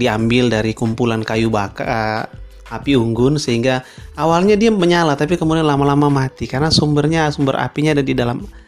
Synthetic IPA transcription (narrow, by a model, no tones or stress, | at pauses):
diambɪldaɾikumpulankajubaka | apiuŋɡʊnsəɦiŋɡaawalɲadiaməɲalat̪apikəmudianlamalamamat̪ikarənasumbərɲasumbəra̰piɲadandidalam